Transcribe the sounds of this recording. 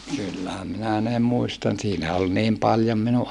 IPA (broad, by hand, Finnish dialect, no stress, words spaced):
kylːæhæm minæ ne muistɑn siːnæ ol niːm pɑljom minuʔ